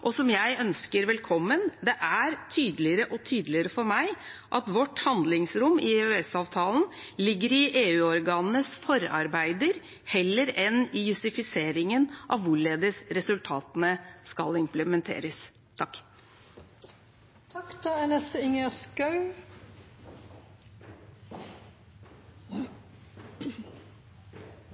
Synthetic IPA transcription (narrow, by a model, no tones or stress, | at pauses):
ʔɔsɔmjæɪœnskəɾʋɛlkʰɔmːənd̪ɛʔæɾt̪ʰyːd̪əlɪəɾəʔɔt̪ʰyːd̪lɪəɾəfɔɾmæɪʔɑt̪ʋɔʈːhɑnd̪lɪŋsɾʊmːɪhʉːɛsɑːʋt̪ʰɑːln | lɪɡːəɾɪʔeːʉːɔɾɡɑːnnəsfɔɾɑ̰ɾbæɪd̪əɾ | hɛlːəɾɛnɪjʉsɪfɪseːɾɪŋənʔɑ̰ʋʋʊɭeːd̪əsɾɛsʉlt̪ʰɑːt̪nəskɑlɪmpləmɛnt̪ʰḛːɾəs | t̪ʰɑkː | t̪ʰɑkd̪ɑænɛst̪əɪŋəskɑʉ